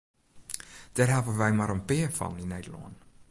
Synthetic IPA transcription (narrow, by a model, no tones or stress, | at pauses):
d̥ɛːrɦɛlˠpənʋɛjmaɾənpɪəfɔ̰ninedəlɔ̰ən